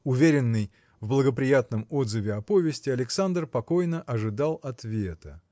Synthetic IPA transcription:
ʊvʲeɾʲɪnːɨj | vblˠəɡəpɾʲɪjat̪nəmod̪zɨvʲɪɐpo̞vʲɪsʲtʲɪɐlʲɪksand̪rpɐko̞jnəʔɐʐɨd̪alˠɐt̪vʲe̞t̪ə

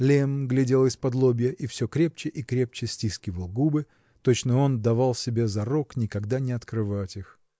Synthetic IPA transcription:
lʲemɡlʲɪdʲe̞lˠɪspɐd̪lˠobʲɪjəʔifsʲɵkɾʲe̞pt͡ɕɪʔikɾʲe̞p̚t͡ɕɪsʲtʲiskʲɪvəlˠɡubɨ | t̪ot͡ɕnəo̞nd̪ɐvalˠsʲɪbʲezɐɾoknʲɪkɐɡd̪anʲɪɐt̪kɾɨvatʲɪx

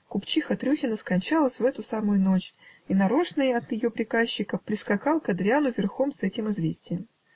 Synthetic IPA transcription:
kʊpt͡ɕixət̪ɾʲuxʲɪnəskɐnʲt͡ɕalˠəsʲvɛt̪ʊsamʊjʊno̞t͡ɕinɐɾoʂnɨjɐt̪jɪjo̞pɾʲɪkaɕːɪkəpɾʲɪskɐkɑlˠkɐd̪ɾʲɪanʊvʲɪrxo̞msɛtʲɪmɨzvʲesʲtʲɪjəm

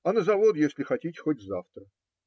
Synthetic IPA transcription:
ɐnəzɐvod̪jesʲlʲɪxɐtʲitʲxotʲzaft̪ɾə

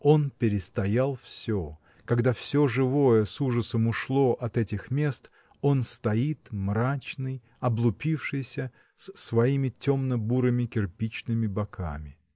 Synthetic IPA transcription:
o̞npʲɪɾʲɪst̪ɐjalˠfsʲo | kɐɡd̪afsʲo̞ʐɨvo̞jəsuʐəsəmʊʂlˠo̞ʔɐt̪ɛtʲɪxmʲe̞st̪ | o̞nst̪ɐit̪mrat͡ɕnɨj | ɐblˠʊpʲifʂɨjsʲə | səsvɐimʲɪtʲomnəbuɾɨmʲɪkʲɪrpʲit͡ɕnɨmʲɪbɐkʰa̰mʲɪ

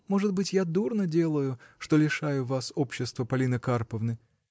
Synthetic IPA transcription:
mo̞ʐɨd̪bɨtʲjad̪urnədʲe̞lˠəjʊʂt̪olʲɪʂajʊvaso̞pɕːɪst̪vəpɐlʲinəkarpəvnɨ

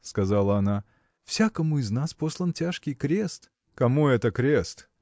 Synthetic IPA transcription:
skɐzalˠəɐna | fsʲakəmʊɪznasposlˠəntʲaʂkʲɪjkɾʲe̞st̪ | kɐmuɛt̪əkɾʲest̪

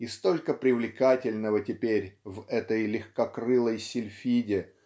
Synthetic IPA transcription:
ist̪o̞lʲkəpɾʲɪvlʲɪkatʲɪlʲnəvətʲɪpʲeɾʲvɛt̪əjlʲɪxkɐkrɨlˠəjsʲɪlʲfʲidʲɪ

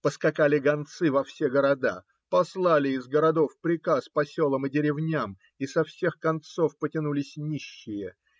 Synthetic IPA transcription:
pəskɐkalʲɪɡɐnt̪sɨvɐfsʲeɡəɾɐd̪a̰ | pɐslˠalʲɪɪzɡəɾɐd̪o̞fpɾʲɪkaspɐsʲolˠəmɨdʲɪɾʲɪvnʲam | isɐfsʲe̞xkɐnt̪sofpətʲɪnulʲɪsʲnʲiɕːɪjə

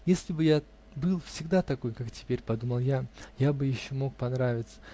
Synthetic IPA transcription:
jesʲlʲɪbɨja | bɨlˠfsʲɪɡd̪at̪ɐko̞jkaktʲɪ̥pʲeɾʲpɐd̪uməlˠjajabɨjɪɕːomo̞k̚pɐnɾavʲɪt̪sə̥

